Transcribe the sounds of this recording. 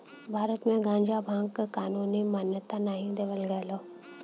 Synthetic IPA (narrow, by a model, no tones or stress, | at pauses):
bʱaːɾət̪mẽɡãːɲd͡ʒabʱãːŋɡkkaːnuːnimaːnjət̪anaːɦĩd̪eːʋəlɡəeloː